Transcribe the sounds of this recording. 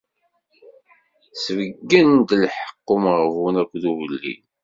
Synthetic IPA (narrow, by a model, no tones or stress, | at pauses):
səvəɡːənd̪lħə̥qːomʁəvunækʷːðuvəlːḭn